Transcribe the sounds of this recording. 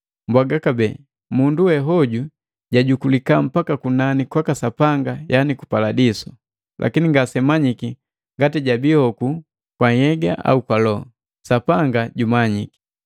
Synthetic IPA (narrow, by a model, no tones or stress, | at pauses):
mbwaɡakabɛ | munduwɛɦɔɟu | ɟaɟukulikam̩pakakunanikwakasapaŋɡajaniku̥paladisɔ̥ | lʔa̰kiniŋɡasɛmaɲiki | ŋɡatiɟabihɔku | kwahɛɡaʔa̰ukwalɔɔ | sapaŋɡaɟumaɲiki̥